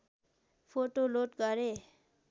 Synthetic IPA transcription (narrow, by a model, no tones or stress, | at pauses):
pʰoʈoloʈɡʌɾe